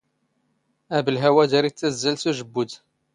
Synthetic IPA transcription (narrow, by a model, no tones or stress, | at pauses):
æbəlɦæwæd̪æɾit͡s̪ːæzːælsuʒəbːʊd̪